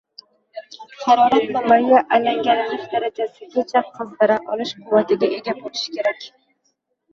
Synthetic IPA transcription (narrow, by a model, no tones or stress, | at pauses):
χɑɾɒɾat̪̚mamajaʔalaŋɡʲanɪnɪʃd̪aɾad͡ʒasɪkʲʰet͡ʃʰaq̚qʰːɨzd̪aɾaʔɒlɪʃqʰʊwat̪ɪɡʲaʔe̞ɡʲabolɪʃɪ̥kʲʰe̞ɾakʲ